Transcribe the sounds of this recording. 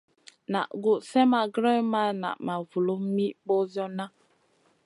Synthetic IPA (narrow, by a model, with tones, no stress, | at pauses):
na̰˨ʔɡu˨ʔsɛ˦ma˨ɡɾɛ˦ma˦na̰˨ʔma˨vu˨lo˦mi˦ʔbɔ˦zjɔ˦na˦